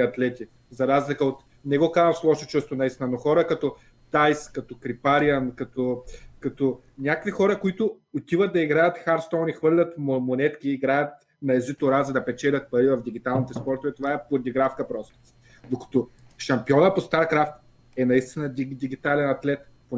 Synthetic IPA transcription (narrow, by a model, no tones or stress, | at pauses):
ɐt̪lɛt̪ʲi | zɐɾazlikəot̪ | nɛɡɔkazɐmslˠɔʃot͡ʃust̪ʊnɐist̪inɐnoxɔɾəkɐt̪ɔ | t̪ajskɐt̪okɾipaɾiankɐt̪okɐt̪o | nʲakɐvixɔɾəkoit̪ʊː | t̪ivət̪̚d̪ɐiɡɾajɐt̪xaɾst̪ɔnixvɤɾlʲɐt̪momonɛt̪kʲiːɡɾajɐt̪̚ | nɐɛzit̪ʊɾazɐd̪ɐpɛt͡ʃɛlʲɐt̪̚pɐɾivɐfd̪iɡ̟ʲit̪alˠnit̪ɛspɔɾt̪ʊvɛt̪ovaɛpoɾɐd̪iɡɾafkəpɾɔst̪ʊ̥ | d̪okɐ̥t̪o | ʃɐmpiɔnəpost̪aɾkɾaft̪̚ | ɛnɐist̪inəd̪id̪iɡ̟it̪alɛnɐt̪lɛt̪ | po